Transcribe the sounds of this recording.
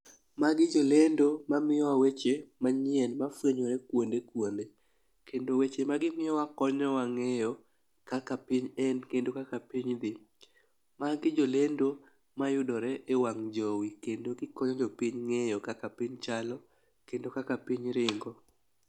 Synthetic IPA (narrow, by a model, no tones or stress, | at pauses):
maɡɪd͡ʒolendomamɪjɔwawet͡ʃemaɲɪɛnmafweɲoɾɛkwondekwonde | kendowet͡ʃemaɡɪmɪjɔwakɔɲɔwaŋejɔ | kakapiɲɛnkendokakapiɲd̪ɪ | maɡɪd͡ʒolendo | majʊdɔɾɛʔewaŋd͡ʒɔwikendoɡɪkɔɲɔd͡ʒɔpiɲŋejɔkakapiɲt͡ʃalɔ | kendokakapiɲɾɪŋɡɔ